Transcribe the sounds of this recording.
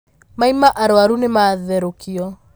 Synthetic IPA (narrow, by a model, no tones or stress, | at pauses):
maimaʔaɾoaɾunemaðɛɾokʰiɔ